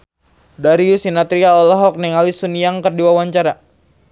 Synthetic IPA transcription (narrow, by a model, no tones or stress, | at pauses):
daɾiusinat̪ɾiaɔlɔɦɔk̚nɛŋalisunijaŋkərdiwawaɲt͡ʃaɾa